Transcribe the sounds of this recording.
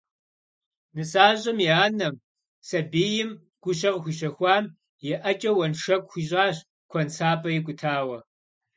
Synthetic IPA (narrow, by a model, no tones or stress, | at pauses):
nɨsaːʑʼɐmjiaːnɐm | sɐbeːjɪm | ɡ̥ʷʊɕɐʁxʷiɕɐxʷɑːm | jɛʔɐt͡ʃʼɐwɐnʂɐkʷxʷiʑʼaːɕ | kʷʰɔnt͡sʰaːpʼɐjɪkʷʊtʰaːwɐ